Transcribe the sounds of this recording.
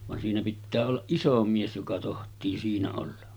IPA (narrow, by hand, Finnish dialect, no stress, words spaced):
ʋɑn siːnæ pitːæː olːɑʔ ʔiso mies jokɑ tohtˑiː siːnæ olːɑ